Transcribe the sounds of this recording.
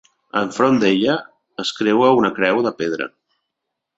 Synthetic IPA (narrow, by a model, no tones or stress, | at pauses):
əɱfɾond̪eʎəː | skɾewəunəkɾɛwðəpeð̞ɾə̰